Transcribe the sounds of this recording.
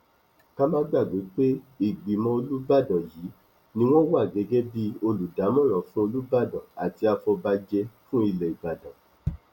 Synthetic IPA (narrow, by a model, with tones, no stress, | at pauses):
ka˦mãː˦ɡ͡ba˦˨ɡ͡be˨˦k͡pe˦ | i˨ɡ͡bi˨mɔ̃˧o˧lu˦ba˦˨dɔ̃˨jiː˨˦ | nĩ˧w̃ɔ̃˦wa˦˨ɡɛ˨˧˦ɡɛ˦bi˦o˧lu˨da˨˦mɔ̃˦˨ɾ̃ã˨˦fũ˦o˧lu˦ba˦˨dɔ̃˨a˨ti˧a˧fɔ˧ba˧d͡ʒɛ˧fũ˦i˧lɛ˨i˨ba˨dɔ̃˨